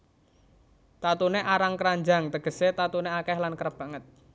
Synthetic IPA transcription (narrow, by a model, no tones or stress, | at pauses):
t̪at̪uneʔaɾaŋkəɾaɲd͡ʒaŋt̪əɡ̥ə̤set̪at̪uneakɛhlankəɾəb̥a̤ŋət̪̚